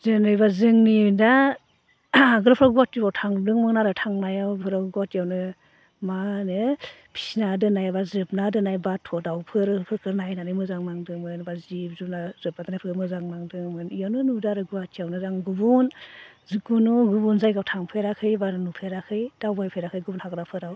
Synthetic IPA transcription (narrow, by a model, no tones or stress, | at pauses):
zɯnɯjbazɯŋnida | ɡɯɾapʰɾaɡuwatːibawtʰaŋdɯŋmɯnaɾɯtʰaŋnajawpʰɯɾaɡatijawnɯ | manɯpʰi̥snadɯnajabazɯp̚nadɯnajbatʰɔdawpʰɯɾpʰɯkɯɾnajnanɯmɯzaŋmaŋdɯŋmɯnbazib̚zunazɯp̚nadnajpʰɯkɯmɯzaŋmaŋdɯŋmɯnijawnɯnudaɾɯɡuwatʰijawnɯzaŋɡubun | zikunuɡubunzajɡawtʰaŋpʰeɾakʰɯjbannupʰeɾakʰɯjd̥awbajpʰeɾakʰɯjɡubunhaɡɾapʰɯɾaw